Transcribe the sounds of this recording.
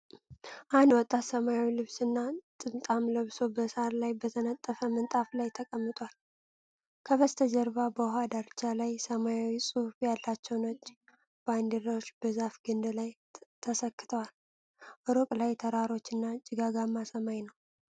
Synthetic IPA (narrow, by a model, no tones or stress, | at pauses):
ʔand̪wɔt̪ʼːat̪səmajawilɨβsɨnːat̪ʼɨnt̪ʼamləβso̞bəsaɾlajbət̪ʰənət̪ʼːəfəmənt̪ʼaflajt̪ʰəkʼəmːɨt̪ʼwal | kʰəβəst̪ʰəd͡ʒəɾβabəɦad̪aɾt͡ʃːalajsəmajawisʼufjalːat͡ʃːɛwnot͡ʃː | b̥and̪iɾat͡ʃːbəzafɡɨnd̪laj | t̪ʰəsəkːɨ̥t̪ʰəwal | ʔɨɾokʼlajt̪ʰəɾaɾo̞t͡ʃːɨnːat͡ʃʼɪɡaɡamːasəmajnəw